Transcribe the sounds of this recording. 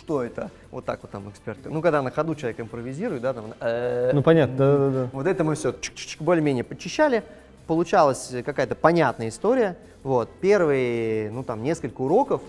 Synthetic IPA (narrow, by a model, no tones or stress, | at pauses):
ʂt̪oɛt̪ə | vo̞t̪ːa̰kvot̪ːa̰mɨkspʲert̪knukɐɡd̪anəxɐd̪ut͡ɕɪlˠɐvʲekɪmpɾəvʲɪzʲiɾʊjt̪̚d̪at̪amnənupɐnʲat̪nəd̪ad̪ad̪ad̪avo̞t̪ɛt̪əmɨfsʲot͡ɕk̚t͡ɕi̥kt͡ɕkbolʲɪəmʲenʲɪjəpət͡ɕːɪɕːælʲɪ | pəlˠʊt͡ɕalˠəsʲkɐkajət̪əpɐnʲat̪nəjəɪst̪o̞ɾʲɪjə | vo̞t̪̚pʲervɨjnut̪amnʲe̞skəlʲkəʊɾo̞kəf